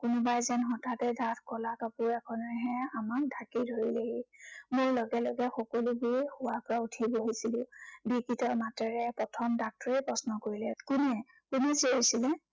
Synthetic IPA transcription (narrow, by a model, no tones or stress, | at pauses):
kʊnʊbajzɛnxɔtʰatɛdʱatʰkɔlakapʊɹɛkʰɔnɔɦɛamak̚dʱakidʱoileɡimʊɹlɔɡɛlɔɡɛxɔkɔlubixʊwapɔɹautʰiboɦisilʊ̃bikitɔmatɛɹɛpɹɔtʰɔmdak̚tɔɹɛpɹɔsnɔkoɹilɛkunɛ | kʊnɛziɦojsilɛ